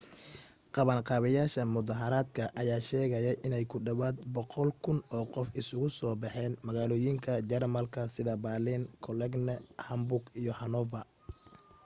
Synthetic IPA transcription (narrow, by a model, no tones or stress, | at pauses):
qɑβɐnqɑːβɐjaːʃɐmʊðɐɦɐɾaːd̪kʰɐʔɐjaːʃɛːɣɐjɐjʔɪnɛjkʰʊɖɐwaːd̪bɔqɔlkʰʊnɔːqɔfɪsʊɣʊsɔːbɑħɛːnmɐɣaːlɔːjɪŋkʰɐd͡ʒɛrmɐlkʰɐsɪðɐbaːlɪnkʰɔlɛɡnɛhɐmbʊɡijɔhɐnɔvɐ